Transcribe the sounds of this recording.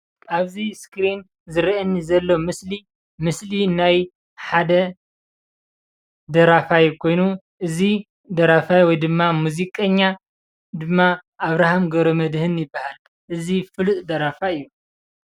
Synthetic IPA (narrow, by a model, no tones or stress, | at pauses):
ʔaβziskɾin | zɨɾiʔɐnːizɐlːo̞mɨsli | mɨslinaj | ħad̪ɐ | d̪ɐɾafajukʰo̞jnu | ʔɨzi | d̪ɐɾafajwɔjd̪ɨmːamuzikʼɐɲːa | d̪ɨmːaʔaβɾahamɡɐɾomɐd̪hɨnjɪbːahal | ʔɨzifɨlɨt̪ʼd̪ɐɾafaɨjːu